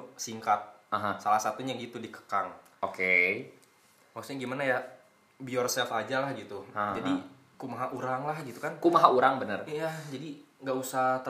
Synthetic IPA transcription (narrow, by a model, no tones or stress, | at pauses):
siŋkat̪̚aɦasalahsat̪uɲaɡit̪udikə̥kaŋ | oke | masu̥sɲaɡimanaja | biɔrsɛlfad͡ʒalahɡit̪ud͡ʒadi | kumaɦaʔuɾaŋlahɡit̪ukankumaɦauɾaŋbənərijad͡ʒadiŋɡausat̪ə